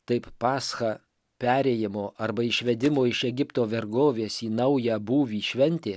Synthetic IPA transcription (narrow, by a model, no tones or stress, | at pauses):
t̪ɐɪppɑːsxɑ | pʲæːɾʲejɪmoːʔɐɾbɐɪʃʲʋʲɛd̪ʲɪmoːɪʃɛɡʲɪpt̪oːʋʲɛɾɡoːʋʲeːsiːnɐʊjæːbuːʋʲiːʃʲʋʲɛnʲt̪ʲeː